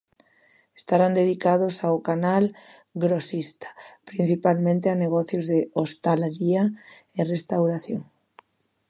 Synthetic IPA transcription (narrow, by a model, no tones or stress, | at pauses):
est̪aɾand̪eð̞ikað̞osaʊkanal | ɡɾosist̪ḁpɾin̟θipalmẽnt̪eaneɣɔθjʊzðeost̪alaɾiaerest̪awɾaθjoŋ